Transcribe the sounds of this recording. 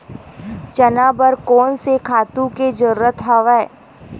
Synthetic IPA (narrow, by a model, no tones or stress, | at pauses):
t͡ʃɐnaːbəɾkɔːnsekʰaːt̪ũked͡ʒəɾuɾət̪ɦɐʋɛː